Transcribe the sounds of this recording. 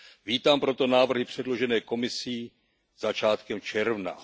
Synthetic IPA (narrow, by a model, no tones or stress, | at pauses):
viːt̪aːmpɾo̞t̪o̞naːvr̩ɦɪpr̝̥ɛdlo̞ʒɛnɛːko̞mɪsiː | z̥at͡ʃaːt̪kɛmt͡ʃɛɾvna̰